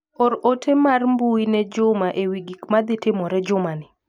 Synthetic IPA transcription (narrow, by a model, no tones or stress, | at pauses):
ɔɾotʰemarmbuinɛd͡ʒʊmaʔewiɡikmad̪ɪtɪmɔɾɛd͡ʒʊmanɪ